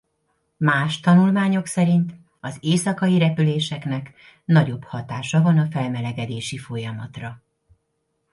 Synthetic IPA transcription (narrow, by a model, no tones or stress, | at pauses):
maːʃt̪ɒnulmaːɲo̞ksɛɾint̪ | ɒzeːsɒkɒjiɾɛpyleːʃɛknɛk | nɒɟo̞bhɒt̪aːʃɒvɒnɒfɛlmɛlɛɡɛd̪eːʃifo̞jɒmɒt̪rɒ